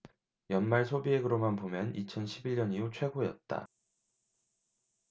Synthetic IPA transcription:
jʌnmaɭsʰobieɡɯɾomanpomjʌnit͡ɕʰʌnɕʰibiʎɲʌniut͡ɕʰwe̞ɡojʌt̚t͈a̰

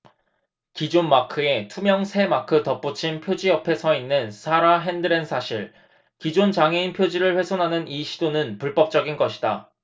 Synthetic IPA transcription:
kid͡ʑonmakʰɯe̞tʰumjʌŋsʰe̞makʰɯtʌp͈ut͡ɕʰinpʰjod͡ʑiʌpʰe̞sʰʌinːɯnsʰaɾaɦe̞ndɯɾensʰaɕʰiɭ | kid͡ʑont͡ɕaŋɦe̞inpʰjod͡ʑiɾɯɭɸwe̞sʰonɦanɯniɕʰidonɯnpuɭp͈ʌp̚t͡ɕ͈ʌɡinɡʌɕʰi̥da

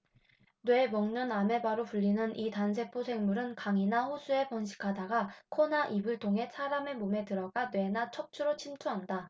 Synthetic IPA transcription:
nwe̞mʌŋɲʌname̞baɾopuʎːinɯnʔitansʰe̞pʰosʰe̞ŋmuɾɯnkaŋinaɸusʰue̞pʌnɕ̬ʰi̥kʰadaɡakʰonaʔibɯɭtʰoŋɦe̞sʰaɾame̞mome̞tɯɾʌɡanwe̞nat͡ɕʰʌk̚t͡ɕʰuɾot͡ɕʰimt͡ɕʰuɦanda

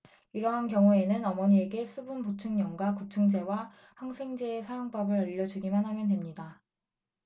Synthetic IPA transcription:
iɾʌɦankjʌŋue̞nɯnʌmʌɲieɡe̞s͈ʰubunpot͡ɕʰuŋɲʌŋɡwakut͡ɕʰɯŋd͡ʑe̞wa | haŋsʰe̞ŋd͡ʑe̞ːsʰajoŋpabɯɾaʎːʌd͡ʑuɡimanɦamjʌnde̞mɲida

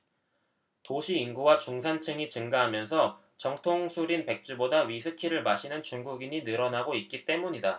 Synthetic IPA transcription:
toɕʰiːnɡuwat͡ɕuŋsʰant͡ɕʰɯŋit͡ɕɯŋɡaɦamjʌnsʰʌ | t͡ɕʌŋtʰoŋsʰuɾinpe̞k̚t͡ɕ͈ubodaɥisʰɯkʰiɾɯɭmaɕʰinɯnt͡ɕuŋɡuɡiɲinɯɾʌnaɡoit̚k͈it͈e̞muɲida

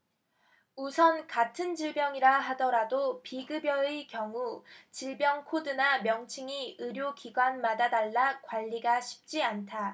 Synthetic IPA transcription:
usʰʌnkatʰɯnd͡ʑiɭbjʌŋiɾaɦadʌɾadopiɡɯbjʌekjʌŋut͡ɕiɭbjʌŋkʰodɯnamjʌŋt͡ɕʰiŋiɯɾjokiɡwanmadadaɭːakwaʎːiɡaɕʰi̥p̚t͡ɕ͈iantʰa

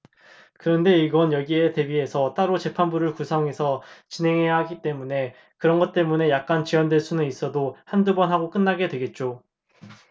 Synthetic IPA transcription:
kɯɾʌnde̞iɡʌnjʌɡie̞te̞bie̞sʰʌt͈aɾot͡ɕe̞pʰanbuɾɯɭkusʰʌŋɦe̞sʰʌt͡ɕinɦe̞ŋɦe̞jaɦaɡit͈e̞mune̞ | kɯɾʌnɡʌt̚t͈e̞mune̞jak̚k͈ant͡ɕiwʌndweɭs͈unɯnis͈ʌdohandubʌnɦaɡok͈ɯnːaɡe̞dwe̞ɡe̞t̚t͡ɕ͈o

